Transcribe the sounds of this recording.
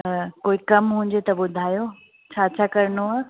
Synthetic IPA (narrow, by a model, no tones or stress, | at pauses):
koːikɐmɦũːɲ̆d͡ʑet̪ɐbʊd̪ʱaːjo | t͡ɕʰaːt͡ɕʰaːkɐɾnoaː